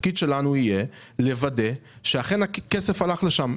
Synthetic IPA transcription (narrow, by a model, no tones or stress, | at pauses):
kid̪ʃe̞lanuije̞ | le̞vade̞ʃeaχe̞nakesefalaχleʃam